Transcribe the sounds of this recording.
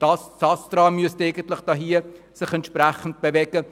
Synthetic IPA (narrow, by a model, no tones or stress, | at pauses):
d̥ɑssɑst̪ɾɑːmyəsteɪɡən̩tlɪχd̥ɑɦiːə | sɪχɛntʃpræχən̩t̚b̥evɛɡə